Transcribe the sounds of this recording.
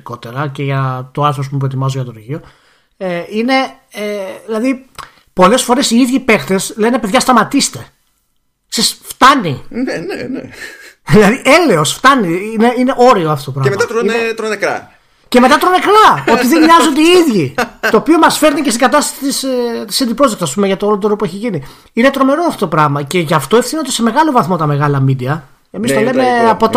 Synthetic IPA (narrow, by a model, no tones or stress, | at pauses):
ko̞t̪e̞ɾɐceʝɐt̪o̞ɐɾθɾos̬pump̬ɾot̪imɐzoʝɐt̪oɾʝio̞ | eine̞ | eðilɐði | po̞le̞sfo̞ɾe̞siiðʝipe̞xt̪e̞sle̞ne̞peðʝɐst̪ɐmɐt̪ist̪e̞ | sesft̪ɐnineneeðilɐðiʔe̞le̞o̞sft̪ɐniineine̞ʔo̞ɾioɐft̪oot̪opɾɐɣmɐt̪ɐt̪ɾonekɾɐ̰ | ce̞me̞t̪ɐt̪ɾone̞kɾɐo̞t̪iðeɲɲɲɐzod̪eiiðʝit̪o̞ːpio̞mɐsfe̞ɾnice̞st̪iɡɐt̪ɐst̪ɐsi̥t̪ist̪i̥sɐnd̪ipɾo̞sðekt̪sɐspume̞ʝɐt̪olot̪oɾopueçiʝini | ine̞t̪ɾo̞me̞ɾoɐft̪ot̪opɾɐɣmɐce̞ʝɐft̪oefθinot̪ese̞me̞ɣɐlo̞vɐθmo̞t̪ɐme̞ɣɐlɐmid̪iɐ | emist̪olemeɐpot̪